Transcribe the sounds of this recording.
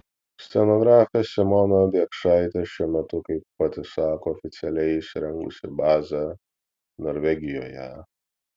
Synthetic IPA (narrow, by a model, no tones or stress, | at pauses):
sʲt̪ʲɛnoɡɾaːfʲɛsʲɪmɔːnɐd̪ʲiɛkʃɑːɪt̪ʲɛʃʲʊmʲɛt̪ʊkɐɪpːɐt̪ʲɪsɑːkoːfʲɪt̪sʲɛlʲɛɪsʲɾʲɛŋkʊ̰sʲɪbɑːzʲɐ | noːɾʲʋʲɛɡʲɪjoːjɛ̰